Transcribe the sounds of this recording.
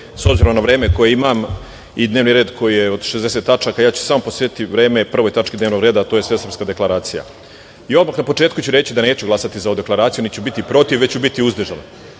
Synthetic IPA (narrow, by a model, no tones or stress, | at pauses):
sobziɾomnaʋɾe̞ːmeko̞jeimam | id̪neːʋniɾe̞ːd̪kʰo̞jijeod̪ʃezd̪e̞set̪ːat͡ʃakajaːt͡ɕu̥saːmoposet̪iʋɾe̞ːmepr̩ʋo̞jt̪at͡ʂkid̪neʋno̞ɡɾe̞ːd̪at̪oːjesʋe̞sɾr̩pskad̪e̞klˠaɾaːt̪sija̰ | io̞d̪maːxnapo̞t͡ʂeːt̪kut͡ɕuɾe̞t͡ɕid̪aneːt͡ɕuɡlˠasat̪izaoud̪e̞klˠaɾaːt̪sijunit̪t͡ɕubit̪ipɾo̞t̪iʋet͡ɕubit̪iuzd̪ʒano